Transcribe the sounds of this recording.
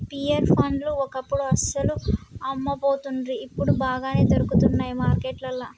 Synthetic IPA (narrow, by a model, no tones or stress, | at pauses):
piːɐɾpʰɐnɖluɔkɐpːuɽuɐsɐluɐmːɐpoːt̪unɾiːpːuɽubaːɡaːne̞ːt̪oɾukut̪unːaːjimaːɾkeːʈlɐlːɐ